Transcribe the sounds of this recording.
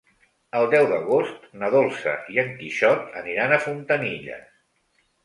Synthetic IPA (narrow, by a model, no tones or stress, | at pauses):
əlˠd̪ɛwðəɣ̞ost̪nəðolˠsə̰ʔiəŋkiʃɔt̪əniɾanəfunt̪əniʎə̰